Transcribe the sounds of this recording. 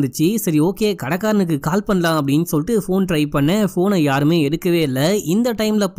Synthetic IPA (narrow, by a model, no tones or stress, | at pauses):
nd̪ɯt͡ʃːɯsɐɾioːkeːkɐɽɐkːaːɾɐnɯk̬ːɯkaːlpɐɳːɐlãːɐpːɐɽɪnːsɔlːʈːɯfoːnʈɾɐɪʋpɐɳːɐfoːnɐjaːɾɯmeːɛɽɯkːɐʋeːɐlːɐɪnd̪ɐʈɐɪmlɐp